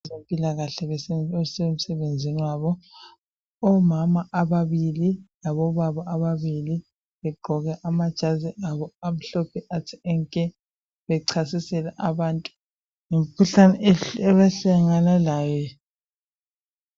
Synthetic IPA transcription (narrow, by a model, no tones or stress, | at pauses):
zempʼilaɣaɬɛβɛɛsɛem̩sɛβend͡zʱiniwaβɔ | ɔmamaʔaβaβililaβɔβaβaaβaβili | βɛɡ͡ǃʱɔɣɛʔamad̥ʒ̥ʱaziʔaβɔam̩ɬɔpʰɛʔatʰiɛŋkʼɛ | βɛǀʰasisɛlaʔaβaːntʼu̥ | ŋem̩kʰuɬanɛɛβɛɬɛŋanalaːjɛ